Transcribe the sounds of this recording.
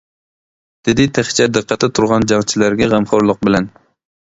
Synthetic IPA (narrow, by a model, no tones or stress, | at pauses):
d̪̥ɪd̪ɪt̪ʰæχt͡ʃʰɛd̪ɨqʰːɑt̪ʰːɪt̪ʰuɾʁɑnd͡ʒɑŋt͡ʃʰɪlæɾɡʲɛʁæmχɑɾlˠʊq̚bɪlæn